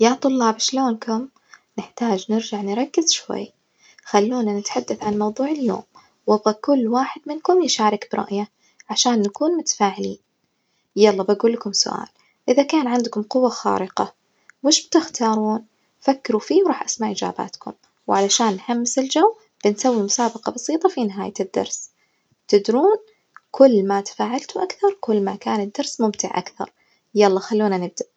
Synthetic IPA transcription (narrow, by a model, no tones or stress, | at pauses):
jaːt̪ˤʊlːɑːbʃloːnkʰʊm | nɪħt̪aːd͡ʒnɪɾd͡ʒaʕnɾˤɑkːɪz̥ʃwa̰jː | xalːuːnanɪt̪ħad̪ːaθʕanmɑwðˤuːʕɪlːo̰ːm | wɑbˤɑkʊlːwaːħɪd̪mɪnkʊmjɪʃaːɾˤɪkbɪɾˤɑ̰ʔja | ʕaʃaːnːakuːnmʊt̪ḁfaːʕɪliːn | jɑlˤːɑbaɡuːlːakʊmsʊ̰ʔa̰ːl | ʔɪðakaːnʕɪnd̪kʊmqʊwːaxa̰ːɾɪqɑ̰ | wɪʃb̚t̪ɪxt̪ʰɑːɾˤuːn | fakːɪɾufiːwɾˤɑːħʔasmaʕʔɪd͡ʒa̰ːba̰ːt̪kʊ̰m | wʕalaʃaːnːħamːɪsɪld͡ʒawː | b̥ɪnsawːimʊsaːbɑqɑbɑsˤiːt̪ˤɑfinɪɦaːjad̪ːɑ̰ɾˤs | t̪ɪd̪ɾuːn | kʰʊlːmat̪ḁfaːʕalt̪ʊʔakθɑɾˤkʊlːmakaːnɪd̪ːɑɾsmʊmt̪ɪʕʔa̰kθɑ̰ɾˤ | jaʔlˤːɑːxalːuːnanɪb̚d̪aʔ